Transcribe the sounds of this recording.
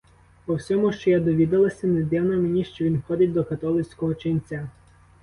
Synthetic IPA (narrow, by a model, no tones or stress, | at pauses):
pɔwsʲɔmʊʃt͡ʃɔjad̪ɔʋʲid̪ɐlˠɐsʲɐned̪ɛwnɐmenʲiʃt͡ʃɔʋʲinxɔd̪ɪt̚ʲd̪ɔkɐt̪ɔlˠɪt͡sʲkɔɦɔt͡ʃenʲt͡sʲa